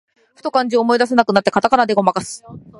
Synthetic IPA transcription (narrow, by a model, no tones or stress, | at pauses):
ɸɯ̥t̪o̞kãɲ̟d͡ʑiomo̞id̪as̬e̞nakɯ̟nat̪ːe̞kat̪akanad̪e̞ɡo̞makasɨ̥